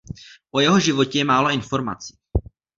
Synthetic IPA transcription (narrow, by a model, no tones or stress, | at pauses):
ʔojɛɦoʒɪvocɛjɛmaːloʔɪnfo̞ɾma̰t͡si̥ː